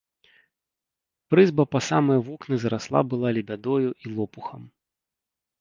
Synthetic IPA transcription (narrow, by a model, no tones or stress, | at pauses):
pɾɨzbɐpɐsamɨjɐvɔknɨzɐɾaslˠa̰bɨlˠalʲibʲad̪ɔjuʔilˠɔpuxɐm